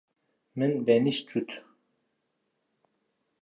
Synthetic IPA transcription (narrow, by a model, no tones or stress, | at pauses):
mɨnbɛniʃt͡ʃut̪ʰ